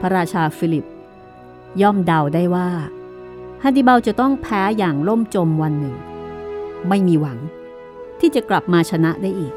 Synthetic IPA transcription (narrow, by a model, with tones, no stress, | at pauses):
pʰa˧˥ɾaː˧t͡ɕʰaː˧fi˧˦˥li˨˩p̚ | jɔː˥˩mda˧wdaː˥˩jwaː˥˩ | hʰaː˧˥˩d̪i˧˩ba˧wt͡ɕa˨˩t̪ɔ˥˩ŋpʰɛː˦˥jaː˨˩ŋlo˥˩mt͡ɕo˧mwa˧nːɯ˨˩ŋ | ma˥˩jmiː˧wa˩˦ŋ | t̪ʰiː˥˩t͡ɕa˨˩kla˨˩p̚maː˧t͡ɕʰa˧na˦˥ʔdaː˥˩jʔiː˨˩k̚